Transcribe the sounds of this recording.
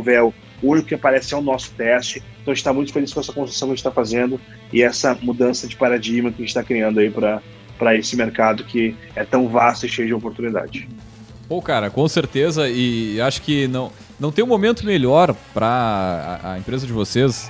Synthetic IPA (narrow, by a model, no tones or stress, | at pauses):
ũvɛʊ | ʊũnikʊkɪapaɾɛsɪɛʊnɔsʊ̥t̪ɛst͡ʃɪẽt̪w̃ʒẽt͡ʃt̪amũj̃t̪ʊ̥feliskõɛsɐkõsɾsɐ̃wkɐʒẽt͡ʃt̪afazẽnd̪ʊ | ɪɛsɐmud̪ɐ̃sɐd͡ʒɪpaɾad͡ʒiɡmɐkɪɐʒẽt͡ʃɪt̪akɾiɐ̃nd̪ʊaipɾɐ | pɾɐesɪmeɾkad̪ʊkʰɪ | ɛt̪ɐ̃w̃vast̪ʊɪʃejʊd͡ʒɪopoɾt̪unid̪a̰d͡ʒɪ | okaɾɐkõseɾt̪ezɐɪaʃʊ̥kɪnɐ̃w̃ | nɐ̃w̃t̪ẽũmomẽnt̪ʊmeʎɔɾpɾɐɐ̰ɐ̰ẽpɾezɐd͡ʒɪvoses